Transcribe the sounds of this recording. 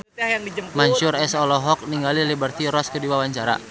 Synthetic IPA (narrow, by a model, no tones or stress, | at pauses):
maɲt͡ʃʊɾɛsɔlɔɦɔk̚niŋɡalilibərt̪iɾɔskədiwawaɲt͡ʃaɾa̰